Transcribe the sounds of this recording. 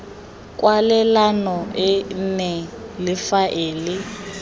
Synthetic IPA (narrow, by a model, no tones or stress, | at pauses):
kʼwalɛlanɔɪnɛlɪfaʔeːlɪ